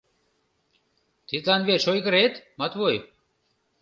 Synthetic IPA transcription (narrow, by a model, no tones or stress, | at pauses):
t̪it̪anʋeːʃojkəɾeːt̪mət̪ʋoj